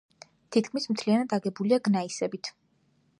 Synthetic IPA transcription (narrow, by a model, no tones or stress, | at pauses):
t̪ʰit̪̚kʰmismt̪ʰlianad̪aɡɛbuliaɡnaisɛbit̪ʰ